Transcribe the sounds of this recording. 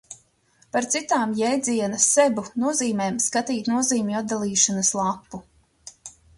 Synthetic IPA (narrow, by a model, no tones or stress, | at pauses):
paɾt̪sit̪aːmjɛjd̪zʲiɛnɐsebunuɔziːmeːmskat̪iːt̪nuɔziːmʲuad̪alˠiːʃanaslˠapːu